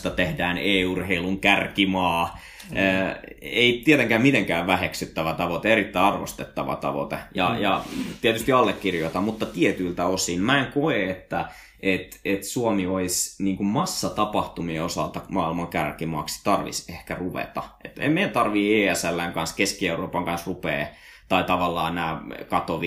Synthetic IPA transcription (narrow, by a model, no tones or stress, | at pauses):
t̪ɑt̪ehdæːneːurheiluŋkærkimɑː | eit̪iet̪eŋkæːmmit̪eŋkæːʋʋæheksyt̪ːæʋæt̪ɑʋot̪eeɾit̪ːæɑrʋo̰st̪et̪ːɑʋɑ̰t̪ɑ̰ʋo̰t̪ejɑ̰jɑt̪iet̪yst̪iɑlːekːirjot̪ɑmmut̪ːɑt̪iet̪ylt̪æosinmæeŋkoeet̪ːæ | ʔet̪et̪suomioisniːŋkummɑsːɑt̪ɑpɑht̪umieosɑ̰lt̪ɑmɑːilmɑŋkærkimɑ̰kst̪ɑrʋḭsehkæruʋḛt̪ɑ̰ʔḛt̪ḛmmeilt̪ɑrʋieːæsælːæiŋkɑnskeskieuroːpɑŋkɑnsrupḛː | t̪ɑit̪ɑʋɑlːɑːnæːkɑt̪oʋi